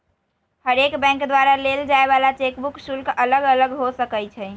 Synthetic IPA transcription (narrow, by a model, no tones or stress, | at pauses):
həɾekbɛ̃ŋkd̪waɾaleld͡ʒaeβalat͡ʃekbuksulkələɡələɡɦosəkət͡ʃʰɛ